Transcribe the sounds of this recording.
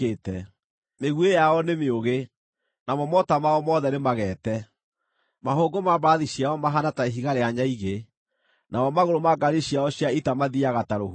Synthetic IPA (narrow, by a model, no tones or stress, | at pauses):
etɛ | meɣwejaɔnemeoɣe | namɔmɔtamaɔmɔðɛnemaɣɛːtɛ | maɦoɡomabaðiɕiaɔmaɦanataeɦiɣaɾeaɲaiɣe | nʔaɔmaɣoɾomaɡaɾiɕiaɔɕiaitamaðiaɣataɾohu